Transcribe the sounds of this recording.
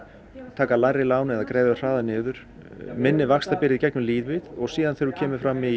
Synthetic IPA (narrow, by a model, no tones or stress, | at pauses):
t̪ʰaːkalaːjɾɪlaːwnɛðakɾɛːjvɪar̥aːðanɪːðʏɾ̥ | mɪnːɪvakst̪apɪɾɪðicɛknʏmliːðvɪðɔɣsiːðanθeɾʏcʰɛːmɪfɾami